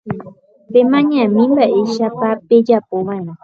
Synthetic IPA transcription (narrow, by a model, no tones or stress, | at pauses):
pemãɲãmĩmbaʔeʃapaped͡ʒapoʋãẽɾ̃ã